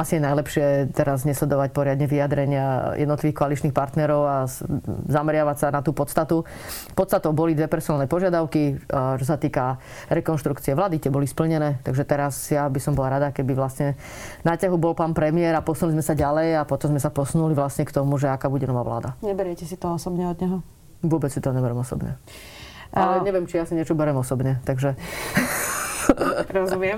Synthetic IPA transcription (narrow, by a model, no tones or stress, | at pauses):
asiɛnajlɛpʃɪɛt̪ɛɾaz̬ɲɛslɛd̪ɔʋac̚pɔɾɪad̪ɲɛʋiad̪ɾɛɲɪajɛ̰d̪nɔt̪liʋiːxkɔalit͡ʃniːxpaɾt̪nɛɾɔʊa | zamɛɾɪaʋacsanat̪uːpɔt̪st̪at̪u | pɔt̪st̪at̪ɔʊbɔlid̪ʋɛpɛɾsɔnalnɛpɔʒɪad̪aʊkit͡ʃɔsat̪iːka | ɾɛkɔnʃt̪ɾukt͡siɛʋlaːd̪it̪ɪɛbɔlispl̩ɲɛnɛːt̪aɡʒɛt̪ɛɾasjabisɔmbɔlaɾad̪akɛbiʋlasɲɛ | nacaɦubɔlpaːnpɾɛmɪɛɾapɔsunlizmɛsaɟalɛjapɔt̪ɔmzmɛsapɔsunuliʋlasɲɛkt̪ɔmuʒɛakaːbuɟɛnɔʋa̰ːʋla̰ːd̪aɲɛbɛɾjɛcɛsit̪ɔɔsɔbɲɛɔd̪ɲɛɦɔ | ʋʊɔbɛt͡ssit̪ɔɲɛbɛɾɛmɔsɔ̰bɲɛ̰ | ʔaɛɲɛʋɪɛmt͡ʃijasiɲɪɛt͡ʃɔbɛɾɛmɔsɔbɲɛt̪aɡʒɛ | ɾɔzumɪɛm